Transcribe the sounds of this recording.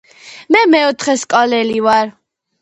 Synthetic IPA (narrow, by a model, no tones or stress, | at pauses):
mɛmɛɔt̪ʰχɛskʼɔlɛlivaɾ